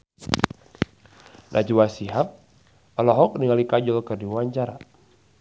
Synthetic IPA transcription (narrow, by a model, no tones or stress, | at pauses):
nʔad͡ʒuwasiɦap̚ | alɔɦɔk̚niŋalikad͡ʒɔlkərdiwaɲt͡ʃaɾa